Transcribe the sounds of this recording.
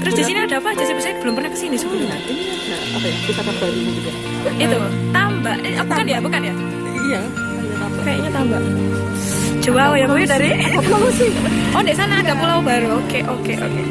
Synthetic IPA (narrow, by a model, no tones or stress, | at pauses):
t̪əɾʊsd̥isiniad̥aapaad͡ʒasabisajb̥əlʊmpərnakəsinisukuməŋadɪŋanaapajadusapab̥aɾunid̪ut̪a | it̪ut̪ambaʔɲaapakanjabukanja | ija | jaaakaiɲat̪ambaʔ | d͡ʒ̥uawjakaidaɾilausɪodeʔsanaːdapulaubaɾuokeʔokeʔo̰kḛ